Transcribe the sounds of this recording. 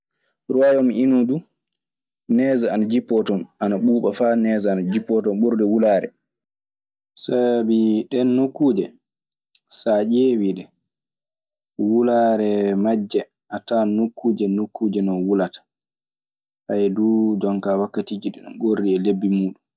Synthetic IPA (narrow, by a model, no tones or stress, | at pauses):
ɾuajɔmiinudu | nɛːzaanad͡ʒipːɔtɔnʔanaɓuːɓafanɛːzaːnad͡ʒipːɔtɔnɓoɾdɛwulaːɾɛ̰ | sabiɗɛnːokːuːd͡ʒɛ | sad͡ʒewiɗɛ | wulaɾɛmad͡ʒːɛ | ʔatanokːuːd͡ʒɛnokːuːd͡ʒɛnɔwulatḁ | hajdud͡ʒɔŋkawakːatiːd͡ʒiɗɛnɔ̰ɡorːiɛlebːimuːɗum